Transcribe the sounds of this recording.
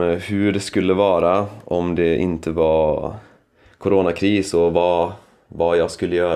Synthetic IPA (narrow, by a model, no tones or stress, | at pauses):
hʉɖɛskʉlːəʋɑːɾaʔɔmd̪ɛʔɪ̰nt̪ʰəʋɑɾ | kʰʊɾoːnakʰɾiːsɔʋɑː | vɑːjaɪɡskʉlːəjøːɾ